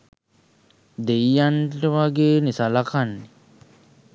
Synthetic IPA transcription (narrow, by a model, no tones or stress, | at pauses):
d̪ejːanʈəʋaɡeːnisalakanːe